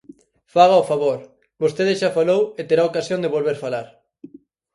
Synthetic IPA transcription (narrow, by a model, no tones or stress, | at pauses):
faɣ̞aofaβoɾ | bost̪eðɪʃafalowet̪eɾaokasjõnd̪eβolβeɾfalaɾ